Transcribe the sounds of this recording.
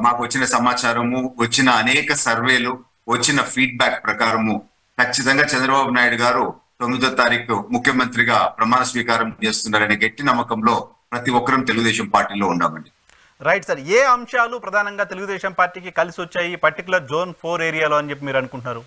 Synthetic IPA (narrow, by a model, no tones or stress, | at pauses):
maːkuʋɐt͡ʃːinɐsɐmaːt͡ʃaːɾɐmuʋɐt͡ʃːinɐːnɛːkɐsɐɾʋe̞ːlu | ʋɐt͡ʃːinɐpʰiːɖ̚baːk̚pɾɐkaːɾɐmu | kʰɐt͡ʃːit̪ɐŋɡaːt͡ʃɐnd̪ɾɐbaːbunaːjiɽuɡaːɾu | t̪o̞mːid̪ɐt̪aːɾiːkumukʰjɐmɐnt̪ɾiɡaːpɾɐmaːnɐsʋiːkaːɾɐmt͡ʃe̞ːst̪unːaːɾɐneɡeʈːinɐmːɐkɐmlo̞ː | pɾɐt̪iʋɔkːɐɾɐmt̪e̞luɡud̪ɛːʃɐmpaːɾʈiːlo̞ːuɳɖa̰ːmɐɳɖi | ɾɐjʈsɐɾeːɐmʂaːlupɾɐd̪ʱaːnɐŋɡaːt̪e̞luɡud̪ɛːʃɐmpaːɾʈiːkikɐlisiʋot͡ʃːaːjipɐɾʈikjulɐɾd͡ʒoːnpʰoːɾeːɾijaːlo̞ːɐnit͡ʃep̬ːimiːɾɐnukuɳʈunaːɾu